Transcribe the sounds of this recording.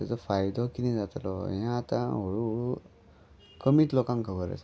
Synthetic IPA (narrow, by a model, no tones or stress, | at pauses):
t̪at͡sɔfajd̪ʱɔkinid͡zat̪lɔ̰jãːt̪a̰ɦoɭuɭu | kəmit̪lɔkãŋkʰəbəɾə̰s